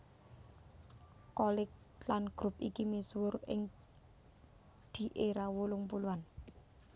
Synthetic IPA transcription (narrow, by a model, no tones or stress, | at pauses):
kɔlɪk̚ | lanɡ̥ɾupikimeswʊrɪ̰ŋ | d̪̥i̤ʔeɾawulʊŋpuluan